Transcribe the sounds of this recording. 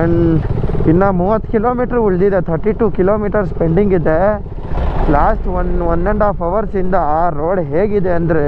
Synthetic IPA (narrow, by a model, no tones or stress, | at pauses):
ɐɳɖinːɐmuːʋɐt̪ːkiloːmiːʈɐɾuɭd̪id̪et̪ʰɐɾʈiʈuːkiloːmiːʈɐɾspeɳɖiŋɡid̪e | laːsʈʋɐnʋɔnd̪eɳɖaːpɐʋɐɾsind̪ɐaːɾoːɽɦeːɡid̪e̞ɐnd̪ɐɾe